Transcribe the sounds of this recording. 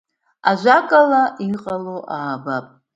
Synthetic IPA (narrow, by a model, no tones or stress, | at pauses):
aʒʷakʼalaʔiqʼaloʔaːbapʼ